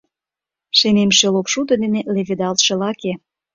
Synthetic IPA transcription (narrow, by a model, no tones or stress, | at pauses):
ʃenemʃelopʃud̪ɤ̆d̪eneleved̪ɑlt̪ʃĕlɑke